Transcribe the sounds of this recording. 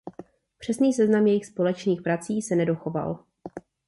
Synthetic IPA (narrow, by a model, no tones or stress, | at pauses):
pr̥ɛsniːsɛznamjɛjɪxspo̞lɛt͡ʃniːxpɾat͡siːsɛnɛdo̞xo̞va̰l